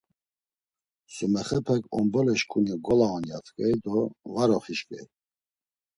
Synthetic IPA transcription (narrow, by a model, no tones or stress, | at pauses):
sumɛχɛpʰɛkʰʼɔ̰mbɔlɛʃkʰʼuniɡɔlaɔnjat̪ʰkʼɛjd̪ɔvaɾɔχiʃkʼɛ̰j